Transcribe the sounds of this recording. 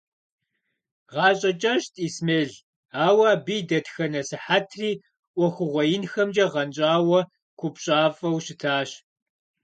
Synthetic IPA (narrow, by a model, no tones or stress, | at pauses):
ʁɑːɕʼɐt͡ʃʼɐɕtʼiːsmeːɮ | aːwɑːbiːdɐtxɐnɐsɨħatʰriː | ʔʷɔxʷʊʁʷɔjɪnxɐmd͡ʒʼɐʁɐnt͡ʃʼaːwɐ | kʷʰʊpɕʼaːfʼɐwɕɪtʰaːɕ